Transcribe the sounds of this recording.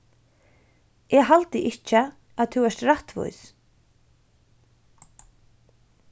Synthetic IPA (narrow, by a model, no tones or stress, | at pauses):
ɛɣɦalt̪ɪʔɪht͡ʃə | aðt̪ʰuwɛrɾt̪ɾaht̪vṵjs